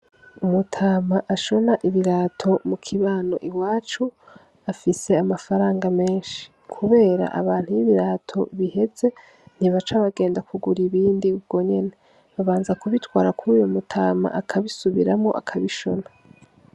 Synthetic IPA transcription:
umutʰaːmaʔaʃo̞naʔiβiɾaːtʰo̞mukʰiβaːno̞̰ʔiwaːt͡ʃu | afise̞amafaɾaːŋɡame̞ːnʃi̥ | kʰuβe̞ːɾa̰ʔa̰βaːn̥hujiβiɾaːtʰo̞̰βihe̞ze̞ | n̥iβat͡ʃaβaɡe̞ːndakuɡuɾiβiːndiub̚ɡ̥o̞ɲe̞ne̞ | βaβaːnzakuβitwaːɾakuɾuːjomutʰaːma̰ʔakʰaβisuβiɾamo̞̰ʔa̰kʰaβiʃo̞na

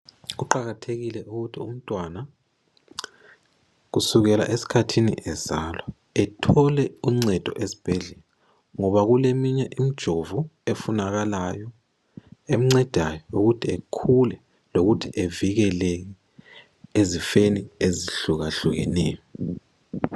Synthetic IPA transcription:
ɣuǃaɣatʰeɣilɛʔuɣutʰiṵm̩tʼwana | ɣusuɣɛla̰ʔesi̥kʰatʰinḭʔɛz̥alwa | ɛtʰɔlɛuŋ͡ǀɛd̥ʱɔ̰ʔezi̥b̥ʱɛɮɛla | ŋɔβaɣulemiɲɛʔimid̥ʒ̥ʱovuefunaɣalajɔ | em̩ŋ͡ǀɛd̥ʱajɔuɣutʰiekʰulɛ | loɣutʰiʔeviɣɛlɛɣɛ | ezifenieziɬuɣaɬuɣɛ̰nɛːjɔ

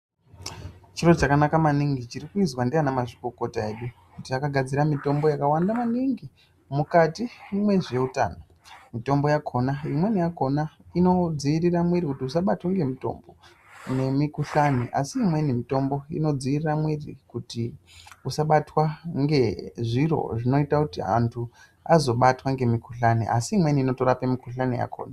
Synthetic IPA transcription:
t͡ʃirot͡ʃakanakamaniŋɡit͡ʃirikuizwandianamaʐikoko̞tae̞ɗukutiakaɡʱad͡ziɾamito̞mbo̞jakawandamaniŋɡi | mukatiimwe̞ʐe̞uta̰ːno | mito̞mbo̞jakʰo̞naimwe̞nijako̞naino̞d͡ziiriramwiɾikutiusaɓatwaŋɡe̞mito̞̰mbo̞ | ne̞mikuɬaneʔa̰siːmwe̞nimito̞mbo̞ḭno̞d͡ziiriramwirḭkuti | usaɓatwaŋɡe̞ʐiro̞̰ʐino̞itakutia̰ntʰu | azo̞ɓatwaŋɡe̞mikuɬanḛʔa̰siːmwe̞niːno̞to̞ɾapemikuɬanḛja̰kʰo̰ːna

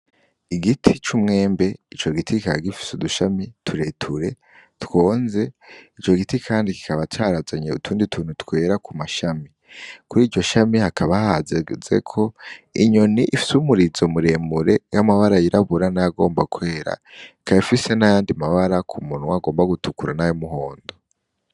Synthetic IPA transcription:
iɡitʰit͡ʃumŋe̞ːmbe̞it͡ʃo̞ɡitikikaɡifi̥suduʃamitʰuɾe̞tʰuɾe̞ | two̞ːnze̞it͡ʃo̞ɡitikʰaːndiki̥kaβataːɾazaɲeṵtʰuːnditʰuːn̥hutkwe̞ːɾakumaʃami | kuɾiːd͡ʒo̞ʃamihakʰaβahahazez̥e̞̰kʰo̞iɲo̞niʔifi̥sumuɾizo̞muɾe̞ːmuɾe̞jamaβaɾajiɾaβuɾanajaɡo̞ːmbakwe̞ːɾa̰kaifise̞najaːndimaβaɾakʰumunwwaɡo̞ːmbaɡutukuɾanajomuɦo̞ːndo

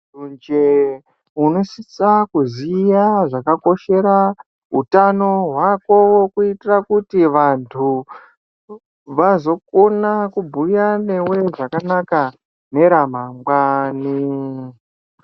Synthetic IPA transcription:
und͡ʒe | uno̞sit͡sakuzijaʐakako̞ʃe̞ɾa | ɦutano̞ɦwako̞wo̞kuitirakutiʋantʰu | ʋazo̞k̚onakubʱujane̞we̞ʐakanaka | ne̞ɾam̤aŋɡwani

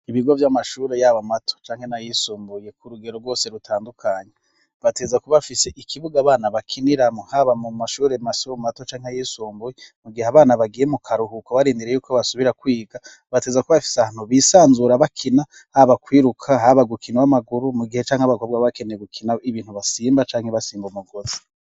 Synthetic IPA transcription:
iβiɡo̞vjamaʃuːɾe̞jaβamatʰo̥t͡ʃaːŋhe̞najisuːmbuje̞kʰuɾuɡe̞ɾoɾɡwo̞ːse̞ɾutʰaːndukʰaɲe | βate̞ːzakuβafise̞ʔikʰiβuɡaːβaːnaβakʰiniɾamohaβamumaʃuːɾe̞masuɾomato̞t͡ʃaːŋhejiːsuːmbujemuɡihaβaːnaβaɡijemukʰaɾuɦukoβaɾiːndiɾe̞juːkʰoβasuβiɾakwiːɡa | βate̞ːzakuββafi̥sahaːn̥huβisaːnzuːɾaβakʰina | haβakwiːɾukʰaɦaβaɡukiniwamaɡuɾumuɡihet͡ʃaːŋhaβakobɡwaβakeneɡukʰinaiβiːnhuβasiːmbat͡ʃaːŋheβasiːmbumuɡozi̥

